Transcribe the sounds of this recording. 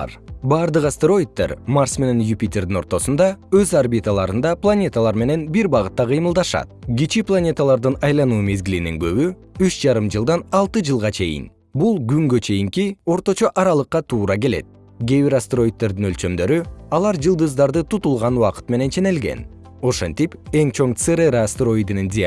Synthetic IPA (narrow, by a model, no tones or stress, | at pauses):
ɾbɑːɾd̪ɯqasʲt̪eɾo̞jit̪ːe̞̰ɾmarsme̞ne̞njupʲit̪ʲːerd̪ino̞ɾt̪o̞sund̪ɑø̞zarbit̪əlˠɑɾɯnd̪ɑplˠanʲe̞t̪əlˠɑɾme̞ne̞nbiɾbɑʁɯt̪ːɑqʰɨjmɯlˠd̪ɑʃɑ̰t̪̚ɡʲit͡ʃiplˠanʲe̞t̪əlˠɑɾd̪ɯnɑjlˠɑnuːme̞zɡiliniŋɡø̞βy | yt͡ʃd͡ʒɑɾɯmd͡ʒɯlˠd̪ɑnɑlˠt̪ɯd͡ʒɯlˠʁɑt͡ʃʰe̞jḭn | bulˠɡyŋɡø̞t͡ʃʰe̞jiŋkio̞ɾt̪o̞t͡ʃo̞ʔɑɾɑlˠɯqːɑt̪ʰuːɾɑɡe̞le̞̰t̪̚ | ɡʲe̞βiɾast̪ro̞jit̪̚ːe̞ɾd̪inø̞lt͡ʃø̞md̪ø̞ɾyɑlˠɑɾd͡ʒɯlˠd̪ɯzd̪ɑɾd̪ɯt̪ʰut̪ulˠʁɑnuwɑqɯ̥t̪me̞ne̞nt͡ʃʰe̞ne̞lɡe̞̰n | o̞ʃent̪ipe̞ŋt͡ʃʰo̞ɴt̪sɨɾeɾast̪ro̞id̪inind̪ʲi